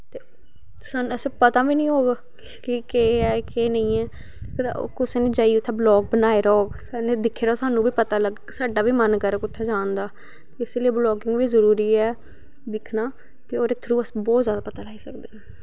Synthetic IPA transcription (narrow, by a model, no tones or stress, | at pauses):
t̪eː | saːnɛsẽpət̪ãːʋiːnĩːɦoːɡa | kɪkeːɛːkeːnə̃ĩːɛː | kəɾ̰kʊseːnẽːd͡ʒaːiːʊt̪ʰːẽːblɔːk̚bənaːeːɾɔːksanẽːd̪ɪkʰːeːɾɔːsaːnũːbiːpət̪aːləɡ | saːɖaːʋiːmənkəɾkʊt̪ʰːeːd͡ʒaːnd̪aː | t̪eːɪseliiːblɔːɡɪŋɡʋiːzəɾuːɾiːɛː | d̪ɪkʰnaː | t̪eːoːɾeːt̪ʰːəɾuːəsbɔːt̪zjaːd̪aːpət̪aːlaːiːsəkd̪eː